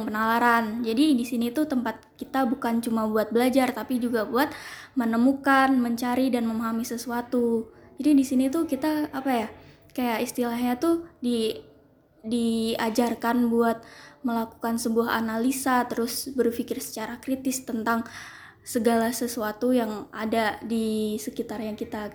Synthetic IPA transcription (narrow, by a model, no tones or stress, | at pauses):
ŋpənalaɾand͡ʒadidisinit̪ut̪əmpat̪̚kit̪abukant͡ʃumabuat̪̚bəlad͡ʒart̪apid͡ʒuɡabuat̪̚mənəmukanməɲt͡ʃaɾidanməmaɦamisəsuat̪ud͡ʒadidisinit̪ukit̪aːpaja | kajaʔist̪ilaɦɲat̪udi | diad͡ʒarkanbuat̪̚məlaku̥kansəbuaɦa̰nalisat̪əɾʊsbərfikɪrsə̥t͡ʃaɾakɾit̪ɪst̪ənt̪aŋ | səɡalasəsuat̪ujaŋa̰dadisəkit̪arɲakit̪a